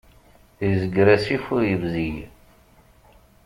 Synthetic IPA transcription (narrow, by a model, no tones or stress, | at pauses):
ðizəɡɾæsifʊɾjəvzij